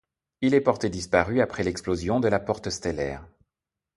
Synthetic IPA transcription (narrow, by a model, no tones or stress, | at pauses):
ilɛpɔʁt̪ed̪ispaʁyapχɛlɛksplozjɔ̃d̪əlapɔʁt̪əst̪elɛ̰ːʁ